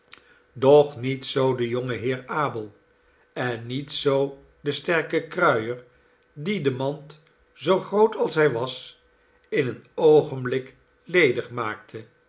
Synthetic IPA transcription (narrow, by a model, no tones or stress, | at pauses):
dɔχnitsowdəjoŋəɦɪːɹaːbəlˠ | ɛnːitsow | dəstɛɹkəkrœɥəɹ | didəmɑnt | zowχrowtɑlˠsɦɛjʋɑs | ɪnənowχənblɪk | lejdəχmaːk̚tʰə